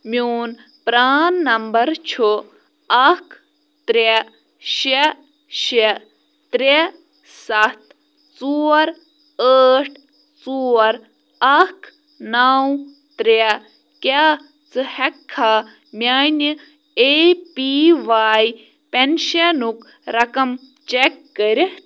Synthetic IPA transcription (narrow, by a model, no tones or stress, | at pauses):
mʲjuːn | pɾaːnːɐmbɐɾt͡ʃʰo | ɐkʰ | t̪ɾe | ʃe | ʃe | t̪ɾe | sɐt̪ | t͡suːɾ | aːʈ̚ʰ | t͡suːɾ | ɐkʰ | naw | t̪ɾe | kʲaː | t͡sɨhɛkʰːa | mʲjaːnʲi | epiʋaːj | penʃɐnuk | ɾɐkɐm | t͡ʃekːəɾʲi